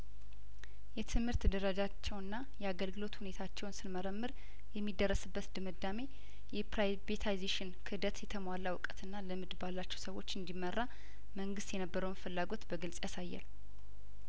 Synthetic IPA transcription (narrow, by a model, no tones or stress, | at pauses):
jɛt̪ʰɨmhɨɾt̪d̪əɾəd͡ʒat͡ʃːɛwnːa | jɛaɡəlɡɨlo̞t̪hune̞t̪ʰat͡ʃːɛwnsɨnməɾəmːɨɾ | jɛmːid̪ərːəsɨbːət̪d̪ɨmɨd̪ːame̞ | jɛpɾa | vet̪ʰajzeʃɪnkʰɨd̪ət̪jɛt̪ʰəmʷalːawɨkʼət̪ɨnːaləmɨd̪balːat͡ʃːɛwsəwo̞t͡ʃːɨnd̪imːərːa | məŋɡɨst̪jɛnəbːəɾəwnfɨlːaɡo̞t̪bəɡɨlsʼjasajːa̰l